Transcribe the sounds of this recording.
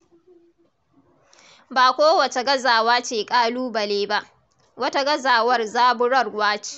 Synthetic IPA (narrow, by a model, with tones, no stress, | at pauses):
baː˨kʷoː˦wɐ˨t͡ʃe˨ɡɐ˦zaː˨waː˦t͡ʃeː˨kʼaː˦luː˦bɐ˨leː˦ba˦ʔ | wɐ˦ta˦ɡɐ˦zaː˨wɐ˦rzaː˦bʊ˦ɽɐ˦˨rwaː˦t͡ʃi̥ː˦˨